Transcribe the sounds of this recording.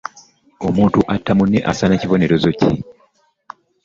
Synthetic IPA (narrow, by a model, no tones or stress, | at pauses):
o̞muːntuʔatːamunːe̞ʔasaneciβo̞ne̞ɾo̞zo̞cḭ